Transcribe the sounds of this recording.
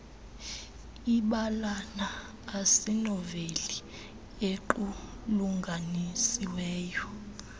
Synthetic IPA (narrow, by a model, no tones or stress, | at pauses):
iɓalanaː | sinɔveli | eǃu | luŋɡʱanisiwɛːjɔ